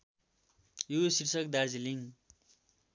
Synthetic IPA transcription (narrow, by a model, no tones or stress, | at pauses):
jusirsʌkd̪ard͡ziliŋ